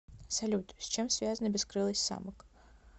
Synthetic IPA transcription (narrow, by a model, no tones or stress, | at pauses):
sɐlʲut̪sʲt͡ɕemsvʲazənəbʲɪskɾɨlˠəsʲtʲsa̰mək